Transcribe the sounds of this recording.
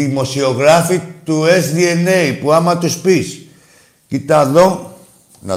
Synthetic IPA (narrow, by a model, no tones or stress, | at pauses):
imoseoɣɾafit̪uezðienejpuamat̪uspis | kit̪aðoŋ | na̰